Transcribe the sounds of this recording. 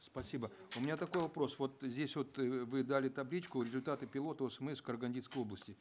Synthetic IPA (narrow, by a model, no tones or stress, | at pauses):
spɐsʲibəʊmʲɪnʲat̪ɐko̞jvɐpɾo̞svo̞t̪zʲdʲesʲvo̞t̪vɨd̪alʲɪt̪ɐblʲit͡ɕkʊɾʲɪzʊlʲt̪at̪ɨpʲɪlˠo̞t̪əosəmɛsfkərɡɐnʲdʲit̪skəjo̞blˠəsʲtʲɪ